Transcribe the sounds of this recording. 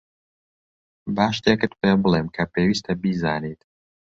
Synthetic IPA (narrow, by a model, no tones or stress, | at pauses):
baːʃt̪ʰekɨt̪̚pʰeːbɨleːmkʰɐpʰewiːst̪ʰɐbizaːnit̪